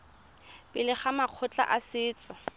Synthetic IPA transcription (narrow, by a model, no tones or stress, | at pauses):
bɪlɪχamaq͡χʰʊt͡ɬʼa̰ʔasɪːt͡sʼɔ